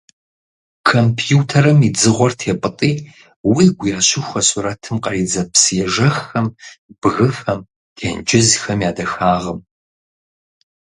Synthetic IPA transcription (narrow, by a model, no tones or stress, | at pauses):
kʰompʰjuːtʰɐɾɐmid͡zɨʁʷɔrtʰeːpʼɨtʼiː | wiːɡʷʊjaːɕɪxʷɐsuɾɐtʰɨmqɐid͡zɐpsjɛʒɐxɐmb̥ɣɨfɐm | tʰḛːnd͡ʒʼɪzxɐmjaːdɐxaːʁɐm